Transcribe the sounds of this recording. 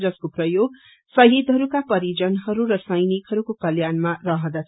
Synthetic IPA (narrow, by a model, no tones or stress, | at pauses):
d͡zʌskoprʌjoɡ̚ | sʌɦjid̪ɦʌɾukapʌɾid͡zʌnɦʌɾuɾʌsʌjnikɦʌɾukokʌljanmarʌɦʌ̃d̪at͡sʰ